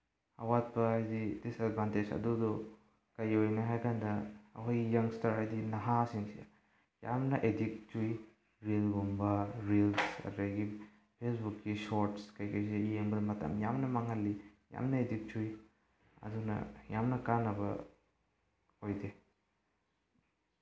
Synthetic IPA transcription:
ɐ̰wat̚pɐajdidisadvanted͡ʒɐ̰dudɔ | kɐjojneɦajkʰandɐ̰ːkʰojɡijɐŋstaɾajdinɐɦasiŋsi | ja̰mnɐʔedik̚tuj | ɾilɡombɐɾilsɐ̰dɾajɡi | pʰesbukːisoɾtskɐjkʰojs̬iijeŋbɐdɐmɐtʰɐ̰mjamnɐmaŋɐlːija̰mnɐedik̚tuj | ɐ̰dunɐ̰jamnɐkanːɐbɐ̰ | hojde

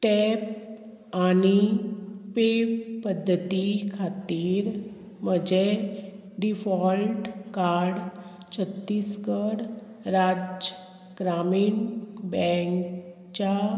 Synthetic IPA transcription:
ʈɛp | ani | pepəd̪ʱːət̪ikʰat̪iːɾ | məd͡ʑe | ɖifɔlʈkaɾɽ | t͡ɕʰət̪ːiːskəɽ | ɾad͡ʑd͡ʑə | ɡ̥ɾaminbɛ̃ŋk | t͡ɕa

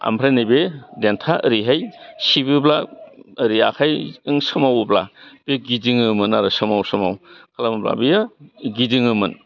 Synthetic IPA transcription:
a̰mbʰɾenijbedentʰaʔəɾiɦajsibɯblaəɾiakʰajɯŋsɯmawbla̰beɡiziŋɯmɯnaɾɯsɯmawsɯma̰wkʰalamɐbla̰bijaɡiziŋɯmɯn

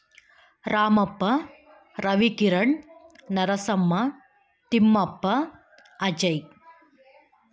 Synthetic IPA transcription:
ɾʔaːmɐpːɐ | ɾɐʋikiɾɐɳnɐɾɐsɐmːɐ | t̪imːɐpːɐ | ɐd͡ʒɐj

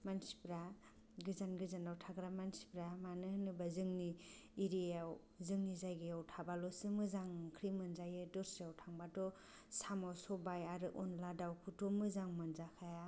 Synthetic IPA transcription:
mansi̥pɾa | ɡɯzanɡɯzanawtʰaɡɾamansi̥pɾamanɯhnɯbazɯŋniːɾiaw | zɯŋnizajɡɯjawtʰabalɔsɯmɯzaŋkʰɾimɯnzajɯdɔɾsiawtʰaŋbatɔ | samawsɔbajaɾɯʔɔnladawkʰutɔmɯzaŋmɯnzakʰaja

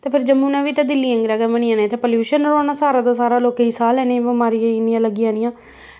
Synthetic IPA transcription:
t̪eːpʰɪɾd͡ʒəmũːnãːʋiːt̪ãd̪ɪlːiːə̃ŋɡɾɛːɡaːbəɳɪãːnẽːt̪eːpəljuːʃənɾoːnaːsaːɾaːd̪aːsaːɾaːloːkẽisaːlɛːnẽbəmaːɾijãːɪnːɪjãːləɡɪjãːnɪjãː

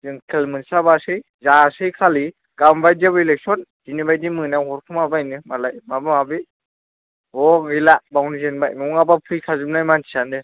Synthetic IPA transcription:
zɯŋkʰelmɯnsabasɯj | zasɯjkʰali | kambajdabilek̚sɔnd̥inibajdimɯnaɦɔɾpʰɯmabajnɯmalajmabɯmabi | ɔɡilabawnizenba̰jnɔŋabapʰɯjkʰazɯp̚najmantʰi̥sandɯ

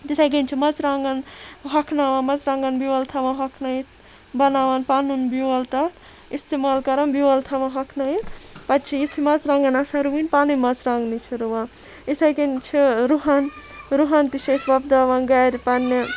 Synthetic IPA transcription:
d̪it̪ʰaɡenʲt͡ʃʰimɐt͡sɾaŋɡɐnɦɐkʰnaʋãmɐzɾãːŋɡɐnbiwɐlt̪ʰɐʋãɦɐkʰnait̪ʰ | bɐnaːʋanpaːnunbiwɐlt̪ɐt̪ | ist̪emaːlkɐɾɐnbiwɐlt̪ʰɐʋãɦɐkʰnajipɐt̪t͡ʃʰijit̪ʰimɐzɾãːŋɡɐnasãɾuwinpaːnimɐt͡sɾaŋɡnit͡ʃʰiɾuʋã | it̪ʰaɡent͡ʃʰiɾuɦan | ɾuɦant̪it͡ʃʰɐsbɐb̚d̪aːʋanɡajɾpanːi

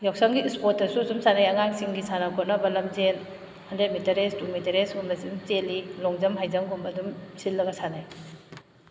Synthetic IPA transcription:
jaksɐŋɡiispotːɐsusumsanajɐŋaŋsiŋɡisanakʰonɐbɐlɐmzen | hɐndemitɐɾestumitɐɾesɡumɐsimt͡ʃelilɔŋzɐmɦajzɐŋɡumɐdumsilːɐɡɐsanaj

